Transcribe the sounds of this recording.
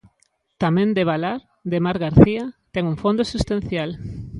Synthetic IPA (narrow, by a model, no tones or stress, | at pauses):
t̪amɛ̃nd̪eβalaɾ | d̪emaɾɣaɾθiat̪ɛŋuŋfõnd̪osust̪an̟θjal